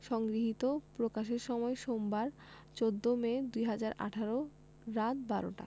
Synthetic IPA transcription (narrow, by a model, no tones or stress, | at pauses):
ʃɔŋɡɾiɦit̪opɾokaʃeɾʃɔmɔeʃombaɾ | t͡ɕod̪ːomed̪ujɦad͡ʑaɾa̰ʈʰaɾo | ɾat̪̚baɾo̰ʈa̰